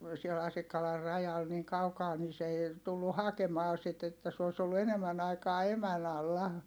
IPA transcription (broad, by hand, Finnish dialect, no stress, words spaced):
siel ɑsikːɑlɑr rɑjɑl niːŋ kɑukɑː ni se eˑi̯ tulːu hɑkemɑː sit etːæ s oˑi̯s olːu enemːæn ɑikɑː emæn ɑlːɑ